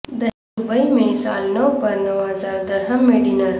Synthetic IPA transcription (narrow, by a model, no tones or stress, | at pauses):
d̪ɐ | ubɐjmẽsaːlnɐwpɐɾnɐwɦɐzaːɾd̪ɐɾɦɐmːeɖinɐɾ